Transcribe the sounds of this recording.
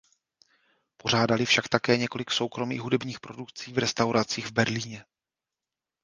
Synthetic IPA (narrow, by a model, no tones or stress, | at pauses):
po̞r̝aːdalɪfʃakt̪akɛːɲɛko̞lɪkso̞wkɾo̞mḭːɣɦudɛbɲiːxpɾo̞dukt͡siːvɾɛst̪awɾat͡siːɣvbɛɾliːɲɛ